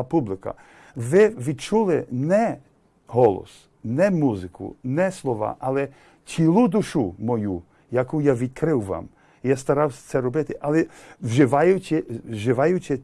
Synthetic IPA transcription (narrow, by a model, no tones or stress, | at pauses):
publˠɪkɐ̰ | ʋɪʋʲid̪̚t͡ʃulˠɪnɛ | ɦɔlˠɔ̰s | nɛmuzɪkʰʊ̰nɛslˠɔʋa̰ʔalˠɛ | t͡sʲilˠud̪uʃumɔju | jakujaʋʲid̪̚kɾɪwʋa̰m | jast̪ɐɾawst̪sɛɾɔbɪt̪ɪʔalˠɛwʒɪʋajʊt͡ʃʲɪʒɪʋajʊt͡ʃʲɛ